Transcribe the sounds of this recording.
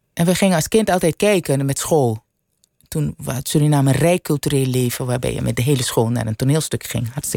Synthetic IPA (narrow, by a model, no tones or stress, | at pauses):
ʔɛnʋəχɪŋənɑlˠskɪntɑlˠtɛjt̚kɛjkənmɛtsχoːlˠ | tunʋa̰tsolinaːmənrɛjkɵlˠtyreːlˠleːvəʋaːbɛ̰jə̰mɛ̰t̚dəɦeːləsχoːlˠna̰ːɾəntoneːlˠstøkχɪ̰ŋɦɑrtstə